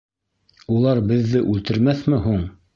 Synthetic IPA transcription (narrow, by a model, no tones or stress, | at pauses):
ulˠɑɾbɘ̆ðːɘʔʉlt̪ɘ̆ɾmæθmɘɦuɴ